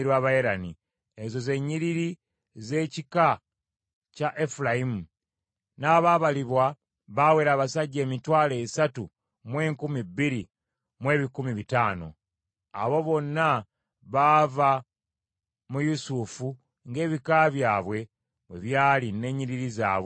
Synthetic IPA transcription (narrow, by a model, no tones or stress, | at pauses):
ɾwaβajeɾani | ezo̞ze̞ɲːiɾiɾi | ze̞ːcika | caʔefulaimu | naːβaβaliβwa | βawe̞ɾaːβasaɟːe̞ːmitwaːle̞ːsatu | mwe̞ːŋkumibːiɾi | mwe̞ːβikumiβitaːno̞̰ | a̰βo̞βo̞nːa | βava | mujusufu | ŋɡe̞ːβikaβjaːβwe̞ | βwe̞βjaːline̞ːɲːiɾiɾiza̰ːβwe